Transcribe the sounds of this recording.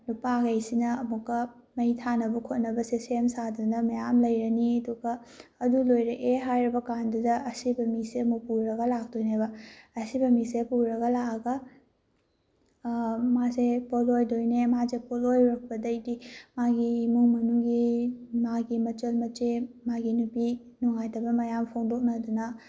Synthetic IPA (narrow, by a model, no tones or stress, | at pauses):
lupaɡejsinɐɐmukːɐmɐitʰanɐbɐkʰot̚nɐbɐsesemsadunɐmɐjamlɐjɾɐniɐduɡɐː | dulojɾɐʔeɦajɾɐbɐkandudɐɐsibɐmiseɐmuk̚puɾɐɡɐlak̚dojnebɐːsibɐmisepuɾɐɡɐlakɐɡɐ | masepolojdojnemazepolojɾɐk̚pɐdɐjdimaɡiːmuŋmɐnuɡimaɡimɐt͡ʃɐlmɐt͡ʃe | maɡinupi | nɔŋajtɐbɐmɐjampʰoŋdok̚nɐdunɐ